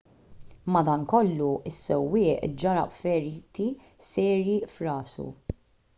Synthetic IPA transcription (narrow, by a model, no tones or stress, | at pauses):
mɐd̪ɐnkɔlːuɪsːɛwːɪːʔd͡ʒɐɾɐ̰pfɛɾiːt̪i | sɛːɾjifɾɐːsṵ